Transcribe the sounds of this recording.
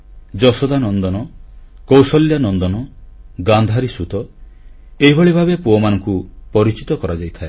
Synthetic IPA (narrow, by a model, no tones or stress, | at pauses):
d͡ʒɔsɔd̪anɔnd̪ɔnɔkowsɔljanɔnd̪ɔnɔɡand̪ʱaɾisut̪ɔ | eɦibʱɔɭibʱabepuɔmanɔŋkupɔɾit͡ʃit̪ɔkɔɾad͡ʒajt̪ʰae